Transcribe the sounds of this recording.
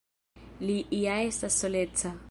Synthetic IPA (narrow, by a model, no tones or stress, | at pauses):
lɪʔːjaɪsasɔlɛːt͡sʰa